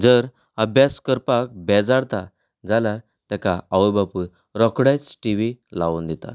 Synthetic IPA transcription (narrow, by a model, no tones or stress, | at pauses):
d͡zəɾ | əbʱjaskəɾpak̚bɛd͡zaɽt̪a | d͡zalaɾ | t̪ɛkaaʋəbapuɾ | ɾɔkɽajt͡sʈiʋilaʋund̪it̪a̰t̪